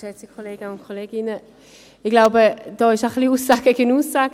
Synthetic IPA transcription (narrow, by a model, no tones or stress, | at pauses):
ʃɛt͡sikʰoleːɡ̥əʊntkʰoleːɡɪnə | ɪɡ̥laʊbəd̥ɔːɪʃaχliuːsaːɡəɡənuːsːaːɡ